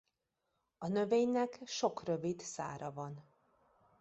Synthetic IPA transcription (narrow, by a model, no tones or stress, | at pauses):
ɒnø̞veːɲnɛkʃo̞krø̞vid̪sa̰ːɾɒvɒn